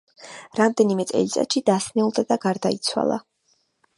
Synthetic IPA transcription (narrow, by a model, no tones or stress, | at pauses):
ɾamd̪ɛnimɛt̪sʼɛ̰lit̪sʼa̰t̪ʃid̪̥asnɛulˠd̪ad̪aɡaɾd̪ait̪sʰwa̰lˠa̰